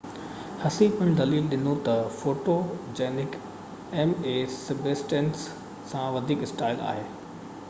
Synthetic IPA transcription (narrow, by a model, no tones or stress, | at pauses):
hɐsipəɪ̃ñd̪ɐliːlɗɪnot̪ɐfoːʈoːd͡ʑeːnɪk | ɛːmeːsɪbeːsʈẽːnsː | ãʋɐd̪ʱiːkɪsʈaːɪla̰ːɦeː